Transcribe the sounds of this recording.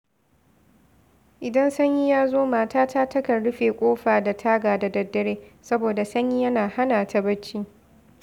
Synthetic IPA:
ʔɪ˨dɐ˦nsɐ˦ɲji˦jaː˦zoː˦maː˨taː˦tʰaː˦tɐ˦kɐ˨rɽʊ˦ɸeː˨kʷʼoː˦ɸaː˨da˨tʰaː˦ɡaː˨da˨dɐ˨dːɐ˦ɽeː˦sɐ˦boː˨da˨sɐ˦ɲji˦jɐ˦naː˨ha˦naː˨ta˦bɐ˦t͡ʃːiː˦

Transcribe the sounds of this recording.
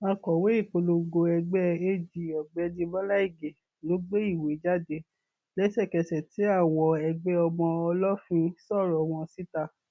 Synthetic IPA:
a˧kɔ˨we˦i˦˨ko˧lo˧ɡo˧ɛ˧ɡ͡bɛ˦e˧d͡ʒi˨ɔ˨ɡ͡bɛ˨˧˦dĩ˧ba˦la˦i˦˨ɡe˨ | lo˨˦ɡ͡be˦i˦˨we˨˦d͡ʒa˦˨de˧˦ | lɛ˨˦sɛ˦˨kɛ˧sɛ˨ti˨˦a˦˨wɔ˨ɛ˧ɡ͡bɛ˦ɔ˧mɔ̃˧ɔ˧lɔ˦fĩ˧sɔ˦˨ɾɔ˨w̃ɔ̃˧si˦ta˧˨

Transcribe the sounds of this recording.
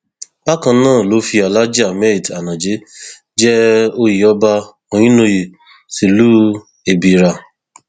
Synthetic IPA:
ba˦kã˧˦nãː˦˨lo˨˦fi˧a˨la˦d͡ʒi˦a˨me˦ɾi˨ta˨nã˨d͡ʒe˨˦ | d͡ʒɛ˦o˦ji˨ɔ˦ba˦˧ | o˨ɲ̃ĩ˦no˧ji˨ | si˨luː˦ | e˨bi˨ɾa˧

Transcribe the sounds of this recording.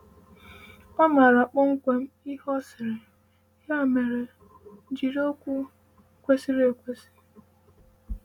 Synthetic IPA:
ɔ˦ma˨ɾa˨k͡pɔ˦ŋ̩˦kʷe˨m̩˦i˦hɔ˦sɪ˨ɾɪ˨ | ja˦˨me˨ɾe˨ | d͡ʒi˨ɾo˦kʷu˦˨ | kʷe˦si˦ɾe˨kʷe˦si̥˦

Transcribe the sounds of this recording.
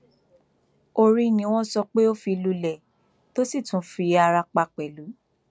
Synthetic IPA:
o˧ɾi˧nĩ˧˦w̃ɔ̃˦sɔ˧k͡pe˦o˦fi˧lu˧lɛ˨ | to˦si˦˨tũ˨˦fi˧a˧ɾa˧k͡pa˧k͡pɛ˨lu˨˦

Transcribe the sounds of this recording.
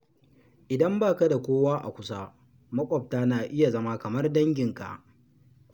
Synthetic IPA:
ʔɪ˨dɐ˦mbaː˦ka˦da˨kʷoː˦waː˦ʔa̰˨kʷʊ˦sa˦ | mɐ˦kʷʼɔ˨p̚taː˦naː˨ʔɪ˦ja˨zɐ˦ma˦kɐ˨mɐ˦rdɐ˦ŋɡʲɪ˨ŋka̰˨ʔ

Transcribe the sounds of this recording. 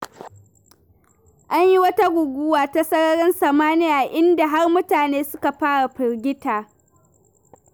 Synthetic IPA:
ʔa˦ɲji˦wɐ˦ta˦ɡʷʊ˨ɡʷʊː˦waː˨ta˦sɐ˦ɽɐ˦ɽɐ˦nsɐ˨maː˦nɪ˦jaː˨ʔɪ˦nda˨ɦa˦rmʊ˦taː˨neː˦sʊ˦ka˨ɸaː˦ɽa˨ɸɪ˨rɡʲɪ˦taː˨

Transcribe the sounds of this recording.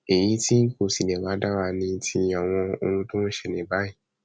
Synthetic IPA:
e˨j̃ĩ˧˦tʰi˦n̩˦ko˨si˨nɛ̃˨ɾa˧˦da˦ɾa˧nĩ˧tʰi˧a˨w̃ɔ̃˧o̰˧nũ˦tõ˦n̩˦ʃɛ˧nĩ˨˦ba˦i˦˨

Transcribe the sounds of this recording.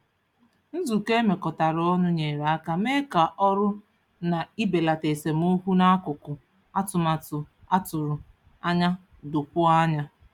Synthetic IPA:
n̩˦zu˨ke˦me˨kɔ˨ta˨ɾɔ˦nʊ˦ɲe˨ɾa˨a˦ka˦me˦ka˨ʔɔ˦ɾʊ˦ | na˨i˦be˨la˨te˨se˨m˦o˦ɦu˦na˦a˦kʊ˨kʊ˨ | a˦tʊ˨ma˨tʊ˨ | a˦tʊ˨ɾʊ˨ | a˦ɲa˦ | dʊ˨pʊ˦a˦ɲa˦

